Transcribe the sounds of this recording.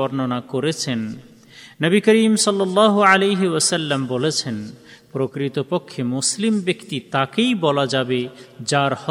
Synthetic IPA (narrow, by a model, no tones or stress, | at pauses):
ɔɾnonakoɾet͡ɕʰenː | əbikəɾimsɔlːɔlːɑːɦoalejɦeɔsɐlːambolet͡ɕʰen | pɾokɾit̪opokʰːemuslimbekt̪it̪akejbɔlad͡ʑabed͡ʑaɾhɔ